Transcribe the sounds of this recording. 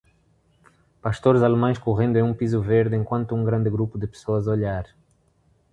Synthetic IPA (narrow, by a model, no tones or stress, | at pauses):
paʃt̪oɾzalemɐ̃j̃skuʁẽnd̪uẽũpizuveɾd̪ɪẽŋkwɐ̃nt̪uũŋɡɾɐ̃nd̪ɪɡɾupud̪ɪpe̥soɐzoʎaɾ